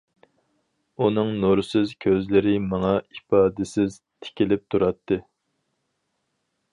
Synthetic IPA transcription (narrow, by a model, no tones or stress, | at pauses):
unɨŋnuɾsɨzkʲʰøzlɪɾɪmɑŋɑipɑːd̪ɪsɪz | t̪ʰɪ̥kʲilɪp̚t̪ʰuɾɑt̪ʰːɨ